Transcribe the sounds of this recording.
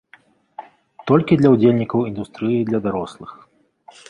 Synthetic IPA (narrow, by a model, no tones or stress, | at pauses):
t̪ɔlʲkʲid̪lʲɐwd͡zʲelʲnʲikɐwind̪ust̪ɾɨjid̪lʲɐd̪aɾɔslˠɨx